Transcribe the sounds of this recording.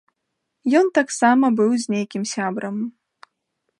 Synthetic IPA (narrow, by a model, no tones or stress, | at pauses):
jɔnt̪aksamɐbɨwzʲnʲejkʲimsʲabɾɐm